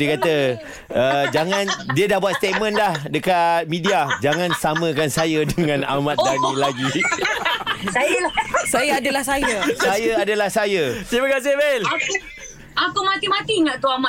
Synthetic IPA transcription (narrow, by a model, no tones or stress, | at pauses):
diəkat̪ə | əd͡ʒaŋãndiədahbuat̪st̪et̪̚mə̃nlahdəkat̪̚mĩdiad͡ʒaŋãnsamə̃kansajədəŋãna̰mat̪̚danilaɡi | sajəlasajaadəlahsajasajaadəlahsajəsaməkas̬ɪhbalaku | akumãt̪imat̪iŋaʔt̪uama